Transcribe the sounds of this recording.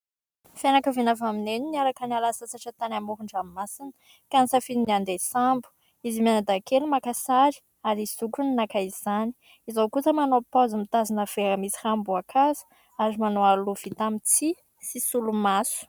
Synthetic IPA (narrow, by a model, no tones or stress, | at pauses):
fanakəvinavamineniniaɾakənalasat͡saʈ͡ʂat̪anamuɦuɳɖ͡ʐamimasinə̥ | kansafininand̪esambu̥ | izimanad̪akʰelimakasaɾi̥ | aɾisukuninakaiizani̥ | izawkusəmanopazimit̪azinəv̥eɾamisihambuakʰazə̥ | azimanowaluv̥it̪amit͡si | sisulumasu̥